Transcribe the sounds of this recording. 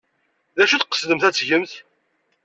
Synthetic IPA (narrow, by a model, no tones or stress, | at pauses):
ðæʃuθqə̥sðəmθæt͡sːʝəmθ